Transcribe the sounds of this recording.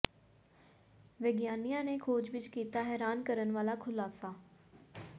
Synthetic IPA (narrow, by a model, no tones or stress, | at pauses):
ʋɪɡjaːnijãːneːkʰoːd͡ʒʋɪt͡ʃkiːt̪aːɦɛːɾaːnkəɾənʋaːlaːkʰʊlaːsaː